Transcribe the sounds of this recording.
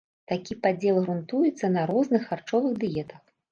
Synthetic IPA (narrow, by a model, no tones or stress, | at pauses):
t̪akʲipad͡zʲɛlˠɣɾunt̪ujɛt̪sːɐnɐɾɔznɨxart͡ʂɔvɨɣd̪ɨjɛt̪ɐx